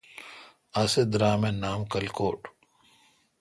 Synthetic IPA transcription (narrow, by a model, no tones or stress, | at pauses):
ɐsed̪ɾaːmenaːmkɐlkoːʈ